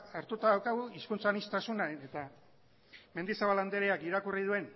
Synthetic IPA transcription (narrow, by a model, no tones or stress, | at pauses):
aɾt̪ut̪aðawkaɣ̞uiskunt͡sanist̪asunaeet̪a | me̞nd̪isaβaland̪eɾeakiɾakuriðue̞n